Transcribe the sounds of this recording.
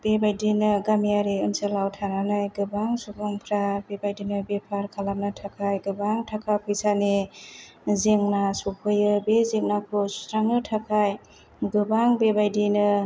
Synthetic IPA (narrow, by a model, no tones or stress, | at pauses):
b̥ebajdinɯɡamiaɾeɯnsɯlawtʰananajɡɯbaŋsubʰɔŋpʰɾabebajdinɯbepʰaɾkʰalamnɯtʰakʰajɡɯbaŋtʰakʰapʰɯjsane | zeŋnasupʰɯjɯbezeŋnakʰosu̥sɾaŋnɯtʰakʰaj | ɡɯbaŋbebajdinɯ